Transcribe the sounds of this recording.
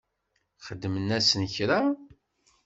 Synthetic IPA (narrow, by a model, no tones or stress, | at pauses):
χəd̪ːmənæsənçɾa